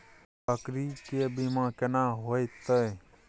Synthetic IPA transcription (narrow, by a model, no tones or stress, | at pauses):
əkɾiːkeːbimãːkənãːɦoːit̪əe